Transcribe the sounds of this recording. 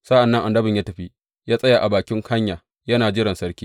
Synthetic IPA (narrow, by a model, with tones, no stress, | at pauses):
sa˦ʔa˨nːɐ˦ŋʔa˨ndɐ˦bɪ˨ɲjaː˦tɐ˨ɸi˦ | jaː˦sʼɐ˦jaː˨ʔa˨baː˨kʲɪ˦ŋkɐ˦ɲjaː˨ | jɐ˦naː˨d͡ʒɪ˦ɽɐ˨nsɐ˦ɽkʲiː˦